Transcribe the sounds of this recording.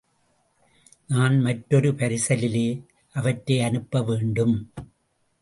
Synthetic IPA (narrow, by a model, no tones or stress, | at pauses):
naːnmɐʈːɔɾɯpɐɾɪsɐlɪleː | ʔɐʋɐʈɾeːɐnɯpːɐʋeːɳɖɯm